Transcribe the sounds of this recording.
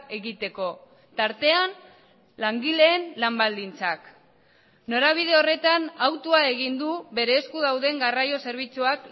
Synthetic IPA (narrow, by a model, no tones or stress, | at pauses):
e̞ɣit̪e̞ko̞ | t̪aɾt̪e̞an | laŋɡile̞ːnlambald̪int͡sak | no̞ɾaβ̞ið̞e̞o̞re̞t̪anawt̪uae̞ɣ̞ind̪uβe̞ɾe̞ːskuðawðe̞ŋɡarajo̞se̞ɾβ̞it͡suak